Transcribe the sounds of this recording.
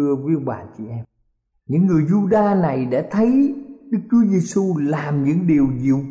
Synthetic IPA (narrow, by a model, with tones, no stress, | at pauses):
ɨ˧əvi˨˦ɓaː˨˩t͡ɕḭ˧˩ʔɛ˧m | ɲɨ̰˧˥ŋːɨ˨˩əjzu˧ɗaː˧na˨˩jɗa̰˧˥t̪ʰə˨˦jɗɨ˦˥k̚t͡ɕu˨˦əze˧su˧laː˨˩mɲɨ̰˧˥ŋɗi˨˩əwzḭ˧˩əw